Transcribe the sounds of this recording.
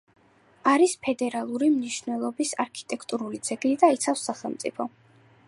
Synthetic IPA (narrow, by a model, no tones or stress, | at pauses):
aɾispʰɛd̪ɛɾalˠuɾimniʃvnɛlˠɔbisaɾkʰi̥t̪ʼɛkʰt̪ʼuɾulid̪z̥ɛɡnid̪ait̪sʰafsːaχɛlˠmt̪sʼipʰɔ